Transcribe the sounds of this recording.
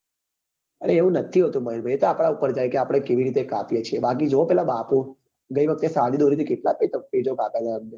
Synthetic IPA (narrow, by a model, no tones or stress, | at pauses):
əɽeːʋũnət̪ʰiɦot̪ũməɦinbʱəjet̪oapɽ̃aupəɾd͡ʒajkeapɽ̃ekeʋiɾit̪ekapijet͡ʃʰebak̬id͡ʒopɛlabapũ | ɡəiʋəkʰt̪esaɽid̪oɾit̪ʰikeʈlapet̪əppid͡ʒokapad̪aamne